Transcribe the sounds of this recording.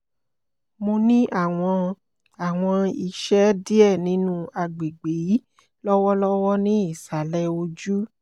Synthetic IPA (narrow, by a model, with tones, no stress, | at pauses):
mõ˧nĩ˦ʔa˦˨w̃ɔ̃˧ | a˨w̃ɔ̃˧i˨ʃɛ˦di˦ɛ˦˨nĩ˨˦nũ˦a˧ɡ͡be˨ɡ͡be˨˦ | lɔ˦wɔ˦lɔ˦wɔ˦nĩ˦i˦˨sa˨lɛ˦˧o˧d͡ʒu˦